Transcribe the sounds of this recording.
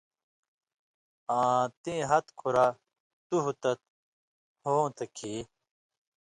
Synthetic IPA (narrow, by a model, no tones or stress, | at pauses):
ãːt̪ĩːɦɐt̪kʰuɾa | t̪uɦut̪ɐt̪̚ | hoːt̪ɐkʰiː